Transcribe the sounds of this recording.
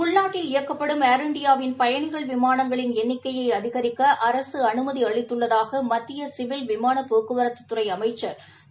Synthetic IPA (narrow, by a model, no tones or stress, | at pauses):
ʊɭnaːʈːɪlɪjɐkːɐpːɐɽɯmaːɾɐɳɖɪjaːʋɪnpɐjɐɳɪɣɐɭʋɪmaːnɐŋɡɐɭɪnɛnːɪkːɐjɐɪɐðɪɣɐɾɪkːɐʔɐɾɐsɯɐnɯmɐðiɐɭɪt̪ːɯɭːɐðaːɣɐmɐt̪ːɪjɐsɪʋɪlʋɪmaːnɐpoːkːɯʋɐɾɐt̪ːɯ̥t̪ːɯɾɐɪɐmɐɪt͡ʃːɐɾ